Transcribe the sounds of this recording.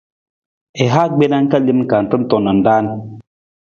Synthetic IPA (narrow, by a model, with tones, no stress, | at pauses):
e˨ɦa˦ɡ͡be˦na˦ŋ̩˦ka˦˨li˦mŋ̩˦ka˨n̩˨tɨ˦m̩˦tɔ˨na˨n̩˨daː˦n